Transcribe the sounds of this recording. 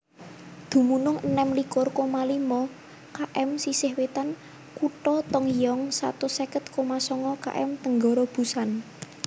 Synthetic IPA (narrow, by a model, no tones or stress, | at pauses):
d̪̥ṳmunʊŋənɛmlikʊrkomalimɔ | kaʔɛmsisɪhwet̪an | kuʈɔt̪ɔŋjɔŋsa̰t̪ʊsɛkət̪̚komasɔŋɔka̰ʔɛ̰mt̪əŋɡɔɾɔb̥ṳsan